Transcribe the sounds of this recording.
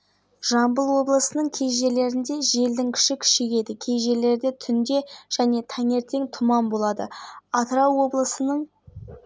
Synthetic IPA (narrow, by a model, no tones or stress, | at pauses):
ʒ̥ɑmbəlˠwo̞blˠəsənəɴkʲʰe̞jʒe̞le̞ɾɪnd̪e̞ʒe̞ld̪ɪŋkʲʰɪ̥ʃɪkʲʰʏ̥ʃekʲe̞d̪ɪkʲʰe̞jʒe̞le̞ɾd̪e̞t̪ʰʏnd̪e̞ʒ̥æne̞t̪ʰɑŋe̞ɾt̪e̞ŋt̪ʰʊmɑmbo̞lˠɑd̪əɑt̪ɾɑwwo̞blˠəsənəɴ